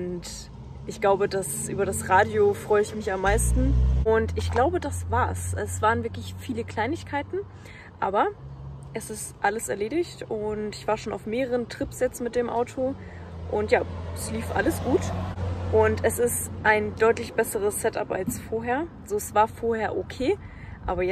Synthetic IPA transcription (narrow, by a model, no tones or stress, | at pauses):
ʊnt | ʔɪçɡ̥laʊbədasʔyːbɐɾasʁaːdjofʁ̥ɔʏəɪçmɪçamːaɪstn̩ʔʊntɪçɡ̥laʊbədasv̥aːɐsɛsv̥aːʁənvɪɐklɪçfiːləkʰl̥aɪnɪçkʰaɪtn̩ | ʔa̰ːbɐʔɛsɪstʔaləsɛɐleːɾɪçtʊntɪçv̥aːɐʃoːnaʊfmeːʁəʁəntʁ̥ɪpsjɛt͡stmɪt̚d̥eːmʔa̰ʊtʰo | ʔʊntjaːɛsliːfʔa̰ləsɡ̥uːtʔʊntʰɛsɪstʔaɪndɔʏtlɪçb̥ɛsəʁ̞əsːɛta̰pa̰lsfoːɐɦeːɐ | zoːɛsv̥aːɐfoːɐheːɐʔokʰeː | ʔa̰ːbɐjɛ